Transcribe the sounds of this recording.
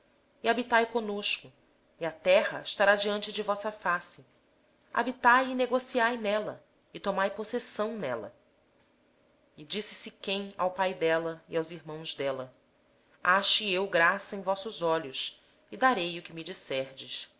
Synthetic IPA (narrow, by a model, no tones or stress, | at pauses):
iabit̪ajkõnoʃkʊ | iat̪ɛhɐɪʃt̪aɾad͡ʒiɐ̃nt͡ʃɪd͡ʒɪvɔsɐfasɪ | a̰bit̪ajɪneɡosiajnɛlɐ | ɪt̪omajposesɐ̃w̃nɛlɐ̰ | ɪd͡ʒisɪ̥sɪkẽj̃a̰wpajd̪ɛlɐḭawziɾmɐ̃w̃zd̪ɛlɐ | aʃt͡ʃɪewɡɾasɐẽj̃vɔsʊzɔʎʊs | ɪd̪aɾejʊkɪmid͡ʒisɛhd͡ʒɪʃ